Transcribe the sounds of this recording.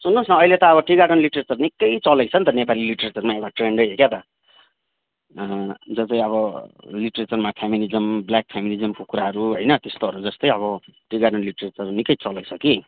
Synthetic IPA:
sunnosnʌʌjlet̪ʌːβʌʈiɡaɖʌnliʈʌret͡sʌrnikːʌjt͡sʌlekt͡sʰʌnt̪ʌnepaliliʈʌret͡sʌrmaewʈaʈreɳɖʌjɦekjat̪ʌ | d͡zʌt͡sʌj̃ʌβʌliʈɾet͡sʌrmapʰjaminid͡zʌmbljak̚pʰjaminid͡zʌmkokuɾaɦʌɾuɦojnʌt̪est̪oɦʌɾud͡zʌst̪ʌjʌβʌʈiɡaɽʌnliʈeret͡sʌrnikːʌjt͡sʌlekt͡sʰʌki

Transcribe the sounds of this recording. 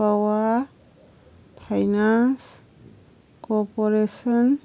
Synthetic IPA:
awa | pʰajnans | kɔpɔɾesɔn

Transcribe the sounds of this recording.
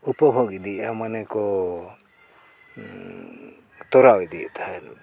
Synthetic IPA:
upɔbʱoɡid̪iamanɛkɔ | t̪ɔɾawjd̪ḭt̪ʰaɾ

